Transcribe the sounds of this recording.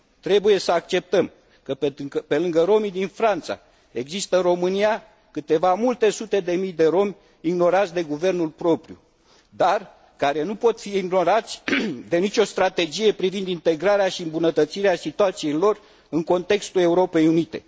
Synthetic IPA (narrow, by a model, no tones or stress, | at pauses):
t̪ɾe̞buje̞səak̚t͡ʃe̞p̚t̪əm | kəpepe̞lɨŋɡəɾo̞mid̪infɾant̪sa̰ | e̞ɡzist̪əɨnro̞mɨnija | kɨt̪e̞vamult̪e̞sut̪e̞d̪e̞mijd̪e̞ɾo̞mʲ | iɡno̞ɾat̪sʲd̪e̞ɡuve̞rnulpɾo̞pɾijṵ | d̪ar | kaɾe̞nupo̞t̪fiiɡno̞ɾat̪sʲd̪e̞nit͡ʃʲo̞st̪ɾat̪e̞d͡ʒije̞pɾivind̪int̪e̞ɡɾaɾeaʃiɨmbunət̪ət̪siɾeasit̪uat̪sijejlo̞r | ɨŋko̞nt̪e̞kst̪ule̞uɾo̞pe̞junit̪e̞̰